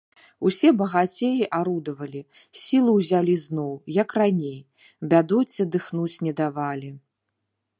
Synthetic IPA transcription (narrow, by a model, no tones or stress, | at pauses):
usʲɛbɐɣat͡sʲejiʔaɾud̪ɐvɐlʲi | sʲilˠuwzʲalʲiznɔwjɐkranʲej | bʲad̪ɔt͡sʲːɐd̪ɨxnut͡sʲnʲɛd̪avalʲi